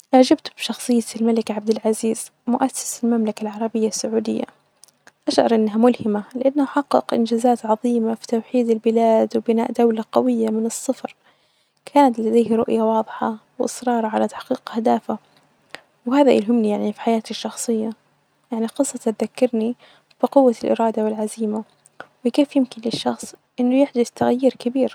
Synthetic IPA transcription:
ʔaʕd͡ʒɪbt̪bʃɑxsˤɨjːat̪lmalɪkʕab̚d̪ɪlʕaziːz̥mʊʔasːɪ̥sɪlmamlakalʕɑɾˤɑbɪjːasːʊʕuːd̪ɪ̰jːa̰ | ʔaʃʕɑ̰ɾˤʔɪnːɦamʊlhɪmalɪʔanːaʔħɑqːɪ̰qʔɪ̰nd͡ʒaːzaːt̪ʕɑðˤiːmafi̥t̪awħiːd̪ɪlbɪlaːd̪wbɪna̰ːʔd̪awlaqɑwɪjːamɪnɨsˤːɨfɾ | kʰaːnat̪lad̪eːhɾˤʊ̰ʔjawɑːðˤħɑwʔɪ̰sɾɑːɾˤɑʕalat̪ḁħqiːqhd̪aːfa | whaːðaʔɪ̰lɦʊmnijaʕnifi̥ħajaːt̪ɪʃːɑxsˤɨjːa | jaʕniqɨsˤːɑt̪at̪ðakːɪɾni | b̥iqʊwːalʔɪ̰ɾɑːd̪awɪlʕaziːma | wɪkeːfjɪmkɪnlɪʃːɑxsˤʔɪnːʊjɪħd̪ʊθt̪aɣajːɪɾkɪbiːɾ

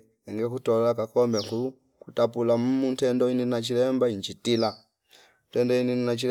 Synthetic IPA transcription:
ɛŋɡɛkutɔlakakɔmbɛku | kutapulamumuntɛndɔininat͡ʃilɛmbaiɲt͡ʃitila | ntɛndɔininnat͡ʃi

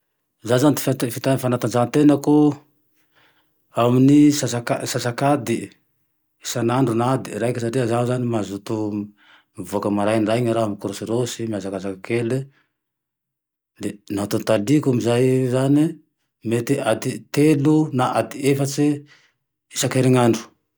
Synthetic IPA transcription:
zanzanid̪i̥ft̪fit̪afanat̪and͡ʒant̪enaku | aminisasakasasakad̪i | isanaɳɖ͡ʐunad̪iɾajkesaʈ͡ʂiəzazanimazut̪u | mivuakəmaɾajnraɲaɾaamikɾosiɾosimiazakazakakele | d̪enat̪unt̪alikumizajzani | met̪iʔad̪it̪elunaʔad̪iefat͡si | isakeɾiŋaɳɖ͡ʐu̥

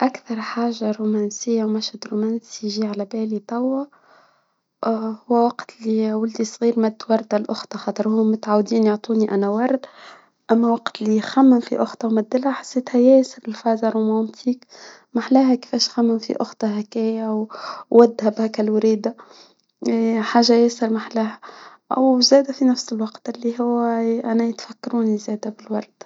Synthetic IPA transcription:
ʔækθɑɾˤħaːʒaɾumæːnsɪjːawmæʃhæd̪ɾumæːnsiʒiːʕalæbɛːlit̪ˤɑwːɑ | hʊwːæwɑqt̪liwʊld̪isˤɣiːɾmæd̪ːwɑɾˤd̪alʔʊxt̪ˤɑxɑːt̪ˤəɾhʊːʊt̪ʕawd̪iːnjoʕt̪ˤuːniʔænæwɑɾˤd̪ | ʔæmːæwɑqt̪lixæmːɪnfiʔʊxt̪ˤɑwmæd̪ːɪlhæħḁsːeːt̪hæjɛːsəɾɪlfɑːzaɾumɑnt̪ʰiːk | maħlæːɦækɪ̥fɛːʃxæmːɪnfḭʔʊ̰xt̪ˤɑɦækæːjæwːæd̪ːhæbhækælwɾiːd̪a | ħaːʒːajɪsɪɾmaħlæːɦæ | ʔwzæːd̪æfinæfsɪlwɑqt̪ʔɪlːiɦʊwːʔænæjɪt̪fækːɾuːnizæːd̪æbɪlwɑɾˤd̪̥

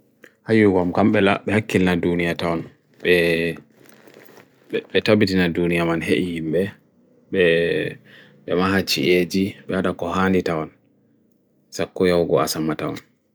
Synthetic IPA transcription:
hajuɡɔmkamɓɛla̰ɓɛhakːilnadunijatawɔn | ɓɛ | ɓɛtabitinadunijamanheʔihimbɛ | ɓɛ | ɓɛmaɦat͡ʃḭʔed͡ʒiɓɛhadakɔhanditawɔn | sakːɔjawɡɔa̰samatawɔ̰n

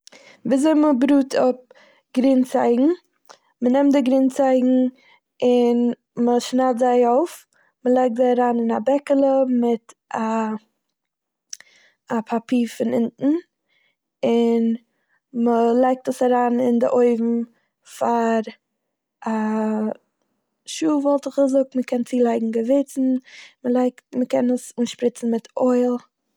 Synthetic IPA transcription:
viːzoɪməbɾuːtʰʊp̚ | ɡ̥ɾiːnt͡sa̰ɪɡŋ̩ | mənɛmtdɪɡɾiːnt͡saɪɡŋ̩ | ɪn | məʃnaɪlˠtzaɪoʊf | məlˠaɪk̚tzaɪaɾaːnɪnabɛkəlˠəmɪta | apʰapʰiːɾfɪnɪntn̩ | ɪn | məlˠaɪk̚təsaɾaːnɪndɪʔoɪvm̩ | faɾ | a | ʃuːvɔlˠtɪχəzʊk̚tməkʰɛnt͡siːlˠaɪɡŋ̩ɡəvɪt͡sn̩məlˠaɪktməkɛnəsuːnʃpɾɪt͡sn̩mɪtʰɔɪlˠ

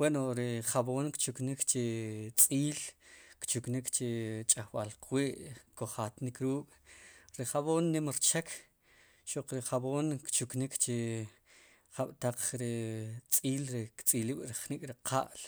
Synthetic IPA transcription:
wenoɾiχaboːnkt͡ʃuknikt͡ʃet͡sʼiːlkt͡ʃuknikt͡ʃet͡ʃʼahwalqʰwiːʔkoχat̪nikɾuːkʼɾiχaβoːnːimɾt͡ʃekʰ | ʃoq͡χɾiχaboːnkt͡ʃuknikt͡ʃe | χaɓ̥t̪aq͡χɾit͡sʼiːlɾikt͡sʼiliːɓɾiχnikʼɾiqʰa̰ʔl

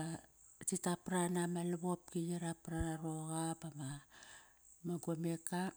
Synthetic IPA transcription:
a | titapɾanamaleβo̞p̚kijeɾapɾaɾo̞ɣapama | maɡome̞ka

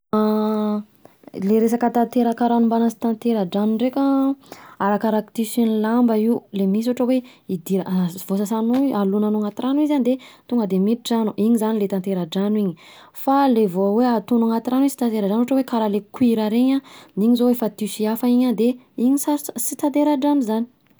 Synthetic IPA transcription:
leɾes̬akət̪at̪eɾakaɾanumbanasi̥t̪ant̪eɾaɖ͡ʐanuɳrekʲa | aɾakaɾakt̪isinlambaiulemis̬oʈ͡ʂəwe | id̪iɾav̥osasanualunanuŋat̪iɾanuizanid̪et̪uŋɡəd̪emit̪iʈ͡ʂanuʔiɲizanilet̪ant̪eɾaɖ͡ʐanwiɲi | falevoweat̪unaŋat̪iɾanwizsi̥t̪ant̪eɾaɖ͡ʐanuɦoʈ͡ʂəwekaɾalekwiɾaɾeɲaniɲizoefat̪isiafaiɲand̪e | iɲisaɾssit̪at̪eɾaɖ͡ʐamizani̥

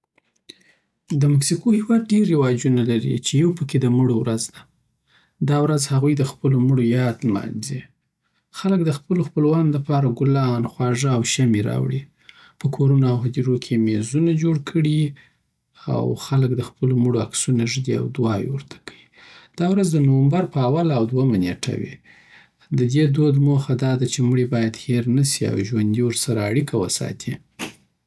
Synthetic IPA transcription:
d̪əmaksikohiwɑd̪̚ɖeɾːewɑd͡ʒunalaɾḭt͡ʃejawpəked̪əmuɽowɾazd̪a | d̪ɑwɾazhaɣujd̪əxpəloməɽojɑd̪lmɑ̰nzi | xaləkd̪əxpəloxpəlwɑnoləpɑɾaɡʊlɑnxwɑʒaawʃameɾɑ̰wɽi | pəkʰoɾunaawhad̪iɾokʰemezunad͡ʒoɽkʰəɽi | a̰wxalək̚d̪əxpəlomuɽoaksunaʒd̪ia̰wd̪wɑjwəɾt̪ʰḁkəwid̪̥ɑwɾazd̪ənowəmbaɾpəawalawd̪wamaneʈʰa̰wḭ | d̪əd̪ed̪od̪moxad̪ɑd̪at͡ʃemɽibɑjad̪heɾnasia̰wʒwand̪iwəɾsaɾaːɽikʰawəsɑ̰t̪ʰi

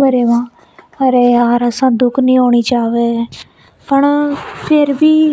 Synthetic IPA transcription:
məɾeːʋãː | əɾeːaːɾəsãːd̪ʊkʰnĩːɦoːɳiːt͡ʃaːʋeː | pəɳpʰɪɾbiː

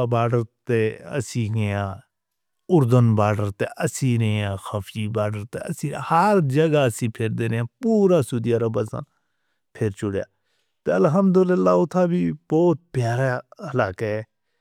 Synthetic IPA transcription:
baːɖəɾt̪eːə̰sĩːɡejãː | ʊɾd̪ənbaːɖəɾt̪eːʔəsĩːɾeãːxəpʰiːbaːɖəɾt̪eə̰sĩːhəɾd͡ʒəɡaːəsĩːpʰeːɾd̪eːɾejãːpuːɾaːsʊd̪ijaːɾabasa̰n | pʰeɾt͡ʃʊɽja̰ː | t̪eːəlɦəmd̪ʊlɪlːaːʊt̪ʰaːbiːbɔːt̪̚pjaːɾaəlaːkeɛː

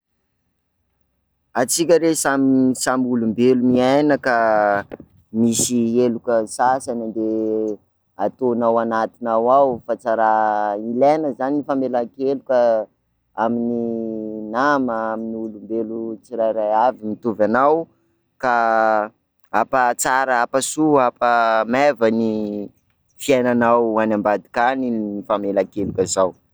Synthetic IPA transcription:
at͡sikʲəɾesamsamulumbelumiajnəka | misielukəsasanand̪e | at̪onawanat̪inawawfat͡saɾailanəzaniifamelakelukʲə | amininaməaminiulumbelut͡siɾajɾajavimit̪uvanaw | ka | apat͡saɾəapasuapəmevani | fiajnanawanambad̪i̥kaninifamelakelukəzaw

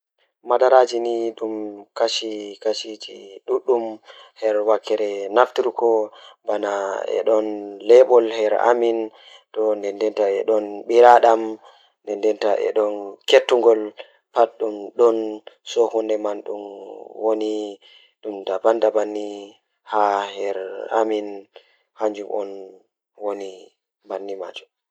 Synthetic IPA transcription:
madaɾad͡ʒiniɗumkaʃikaʃitḭɗuɗːumhɛɾwakːɛɾɛnaftiɾkɔbanaɛ̰ɗɔnlɛɓɔlhɛɾa̰min | tɔndɛndɛntaɛɗɔnɓiɾaɗam | ndɛndɛntaʔɛ̰ɗɔnketːuŋɡɔl | patɗumɗɔnsɔhundɛmanɗṵmwoni | ɗumdabandabanːi | hahɛɾa̰min | haɲd͡ʒumʔɔ̰n | woni | banːima̰d͡ʒum

